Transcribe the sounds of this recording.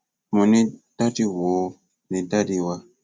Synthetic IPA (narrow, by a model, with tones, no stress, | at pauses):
mu˨ni˦ta˦ti˦wo˨˦ | ni˨ta˦di˨wa˦